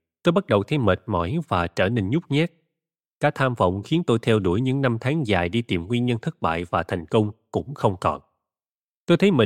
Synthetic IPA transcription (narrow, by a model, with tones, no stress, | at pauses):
t̪o˧jɓa˦˥t̚ɗə˨˩wt̪ʰə˨˦wmə˨˩t̚mɔ̰˧˩˦jvaː˨˩t͡ɕəː˧˩ne˧nɲʊ˦˥k͡p̚ɲa˦˥t̚ | kaː˦˥k̚t̪ʰaː˧mfə̰˧˨wŋ͡mxi˨˦ənt̪o˧jt̪ʰɛ˧wɗu˧˩əjɲɨ̰˧˥ŋna˧mt̪ʰaː˨˦ŋzaː˨˩jɗi˧t̪i˨˩mŋwi˧nɲə˧nt̪ʰə˦˥k̚ɓa̰ː˧˨jvaː˨˩t̪ʰa˨˩jŋ̟kə˧wŋ͡mkʊ̰˧˥ŋ͡mxə˧wŋ͡mkɔ̰˨˩n | t̪o˧jt̪ʰjmə˨˩